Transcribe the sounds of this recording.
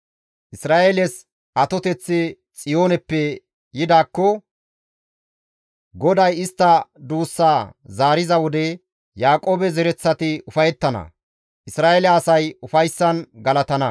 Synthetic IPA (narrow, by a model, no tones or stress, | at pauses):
ʔɪsɾaːʔelɛs | ʔɐt̪ɔt̪ɛt͡sːɪ | t͡sʼɪjo̞ːnɛpːɛ | jɪd̪aːkːɔ | ɡɔd̪ɐjɪst̪ːɐd̪uːsːaːzaːɾɪzɐwɔd̪ɛ | jaːkʼoːbɛzɛɾɛt͡sːɐt̪ɪʊfɐjɛt̪ːɐnɐ̰ | ʔɪsɾaːʔelɛɐsɐjʊfɐjsːɐnɡɐlɐt̪ɐnɐ